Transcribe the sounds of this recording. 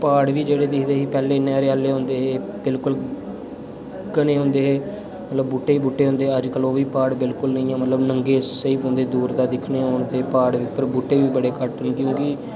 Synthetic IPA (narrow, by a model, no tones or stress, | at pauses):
paːɽʋiːd͡ʒeːɽeːd̪ɪkʰd̪eːɦiːpɛːleːɪneaːɾeːaːlːeːɦõːnd̪eːɦeːbɪlkʊl | kəneːɦõːnd̪eːɦeː | mət̪ləbːuʈːeːiːbuʈːeːɦõːnd̪eːəd͡ʒkəloːʋiːpaːɽbɪlkʊlnəĩːãːmət̪ləbnəŋɡeːsseiːpõːnd̪eːd̪uːɾd̪aːd̪ɪkʰneːɦoːɳt̪eːpaːɽʋiːpəɾbuʈːeːʋiːbəɽeːkəʈənkjõːkɪ